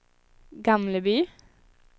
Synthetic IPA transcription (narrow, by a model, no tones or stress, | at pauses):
ɡɑmləbyː